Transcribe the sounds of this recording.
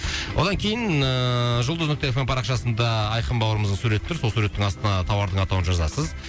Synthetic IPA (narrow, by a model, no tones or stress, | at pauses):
wʔo̞d̪ɑŋkʲʰe̞jɪnəʒʊlˠd̪əznʏk̚t̪e̞efempʰɑɾɑqʃɑsənd̪ɑːjqəmbɑwəɾəməzd̪əɴsuɾe̞t̪ʰːʏɾso̞lˠsuɾe̞t̪ːɪŋɑst̪ənɑt̪ʰɑwɑɾd̪əɴɑt̪ɑwənʒɑzɑ̰səz